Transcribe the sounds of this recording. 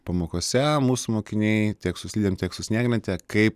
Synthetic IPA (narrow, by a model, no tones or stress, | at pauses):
pɐmoːkoːsʲɛmuːsʊmoːkʲɪnʲɛɪtʲiɛksʊsʲlʲiːd̪ʲemt̪ʲiɛksʊsʲnʲæːɡnʲɛnt̪ʲɛkɐɪp